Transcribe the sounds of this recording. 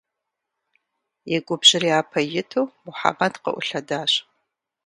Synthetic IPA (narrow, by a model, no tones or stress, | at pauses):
jɛɡʷʼʊbʑɪriaːpʰɐjɪtʰuwmʊħa̰mɐdqɐ̰ʔʷʊɬɐdaːɕ